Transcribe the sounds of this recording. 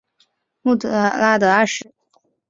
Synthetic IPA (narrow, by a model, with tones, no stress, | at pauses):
mu˥˩t̪ɤ˧˦la˥t̪ɤ˧˥a˥˧ʂɻ̩˥˩